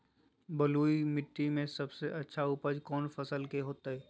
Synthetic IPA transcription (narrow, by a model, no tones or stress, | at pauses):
bɐluːimɪʈ̪ːimẽsɐbseʔɐtːʃʰaʊpəd͡ʒkɔːnfɐsəlkeɦoːt̪aɦɛː